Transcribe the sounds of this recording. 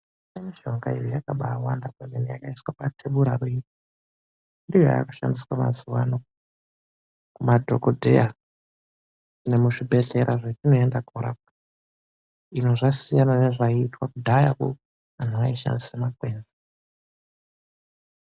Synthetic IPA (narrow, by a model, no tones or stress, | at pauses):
semiʒoŋɡaḭjojakaɓawandakemenija̰kaiswapatʰeɓuɾaruiti | ndijojaa̰ku̥ʃa̰ndiswama̰zuwa̰no | kumadʱo̞kodʱeja | ne̞muʐibʱe̞ɮe̞ɾaʐetino̞endaɡʱoɾa̰ | ino̞ʐasijanane̞ʐaitwakudʱajakṵ | an̤uaiʃa̰ndisamakwe̞ːnze